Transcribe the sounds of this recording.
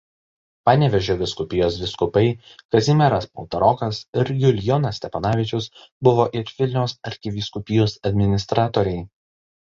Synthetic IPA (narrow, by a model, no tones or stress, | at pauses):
pɑːnʲɛʋʲɛʒʲoːʋʲɪskʊpʲɪjoːs̬ʋʲɪskʊpɐɪ | kɐzʲɪmʲɛɾɐspɔ̰lˠt̪ɐɾɔkɐsɪɾjʊlʲjonɐsʲt̪ʲɛpɐnɑːʋʲɪt͡ʃʲʊsbʊʋoːʔɪɾʋʲɪlʲnʲɛʊsɐɾʲxʲɪʋʲɪskʊpʲɪjuːsɐd̪ʲmʲɪnʲɪst̪ɾɑːt̪oːɾʲɛɪ